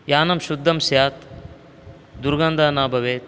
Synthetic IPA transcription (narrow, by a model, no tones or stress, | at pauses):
jaːnɐmʃud̪ʱːɐmsjaːt̪ | d̪uɾɡɐnd̪ʱaːnaːbʱɐʋeːt̪